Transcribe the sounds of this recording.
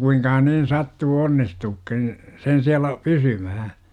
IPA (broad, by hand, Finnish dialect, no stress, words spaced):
kuiŋkɑhɑn nin sɑtːuː onːistuːkːin sen siælæ pysymæhæ